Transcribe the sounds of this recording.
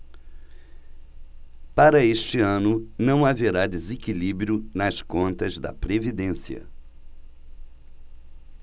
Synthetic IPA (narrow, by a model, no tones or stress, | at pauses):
paɾɐest͡ʃɪɐ̃nʊnɐ̃w̃aveɾad̪ezekilibɾjʊnɐskõnt̪ɐzd̪ɐpɾevid̪ẽsiɐ̰